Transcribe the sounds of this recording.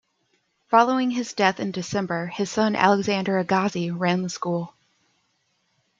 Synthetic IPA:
fɑlˠoʊɪ̃ŋɨzdɛθɨ̃ndɨsɛ̃mbə˞ɨz̥sʌ̃nʔæ̰lˠəɡzæ̃ndə˞ɨɡɑziɹæ̃nðəskulˠ

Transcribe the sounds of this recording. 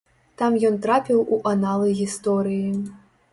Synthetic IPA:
t̪amjɔnt̪ɾapʲiwʔuʔanalˠɐjɣʲist̪ɔɾɨji

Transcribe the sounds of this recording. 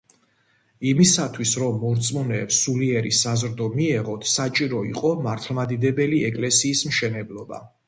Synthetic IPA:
imisat̪ʰwisɾɔmːɔɾt̪sʼmunɛːpsuliɛɾisazɾd̪ɔmiɛʁɔt̪ʰsat͡ʃʼiɾɔiqʼɔmaɾt̪ʰlˠmad̪id̪ɛbɛliɛkʼlɛsiːsmʃɛnɛblˠɔba̰

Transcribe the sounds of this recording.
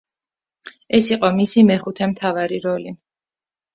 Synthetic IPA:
ɛsiqʼɔmisimɛχut̪ʰɛmt̪ʰavaɾiɾɔli

